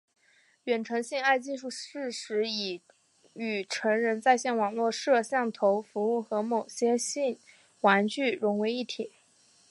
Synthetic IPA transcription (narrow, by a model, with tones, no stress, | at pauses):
ɥɛ˨˩nʈ͡ʂʰɤ˧˥ŋɕi˥˧ŋa˥˧ɪt͡ɕi˥˧ʂu˥˩ʂɻ̩˥˩ʂɻ̩˧˥i˨˩ | y˨˩ʈ͡ʂʰɤ˧˥ŋɻə˧˥nt͡sa˥˧ɪɕjɛ˥˩nwɑ˨˩ŋlwɔ˥˧ʂɤ˥˧ɕjɑ˥˩ŋt̪ʰo˧˥ʊfu˧˥u˥˩xɤ˧˥mo˨˩ɕjɛ˥ɕi˥˩n | wa˧˥nt͡ɕy˥˩ɻʊ˧˥ŋwe˧˥ɪi˥˩t̪ʰi˨˩˦